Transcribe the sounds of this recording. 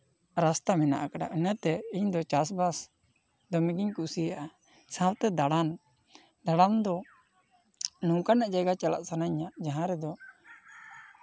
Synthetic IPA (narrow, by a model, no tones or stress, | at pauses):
ɾast̪amɛna̰ʔakaɖa̰ʔənət̪ɛiɲd̪ɔt͡ʃas̬bas | d̪ɔmiɡiɲkusijaʔa | sãwt̪ɛd̪aɽan | ɖ̪aɽamd̪ɔ | nũkanaʔd͡ʒajɡat͡ʃala̰ʔsanaɲaʔd͡ʒaɦãɾɛd̪ɔ